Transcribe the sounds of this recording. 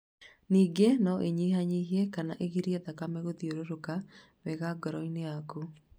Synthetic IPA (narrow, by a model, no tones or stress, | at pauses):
niːɡenɔʔeɲiɦaɲiɦiɛkanaʔeɣiɾiɛðakamɛɣoðioɾoɾoka | wɛɣaɡɔɾɔineaku